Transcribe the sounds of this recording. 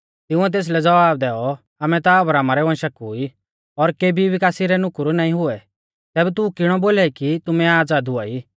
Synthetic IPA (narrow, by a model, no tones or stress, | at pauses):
t̪ɪʊ̃ɛt̪̬eːs̬lɛd͡zɐʋaːb̚d̪ɛːɔ | aːmɛ̃t̪aɔbɾaːmaɾɛʋɐ̃nʃɐkʊi | ɔɾkeːbʱiʋɪkaːsiɾɛnʊkʊɾunaːĩɦʊɛ | t̪ɛːbɛt̪ʊkɪɽ̃ɔboːlaikit̪ʊmɛaːd͡zaːd̪ʊa̰ːiː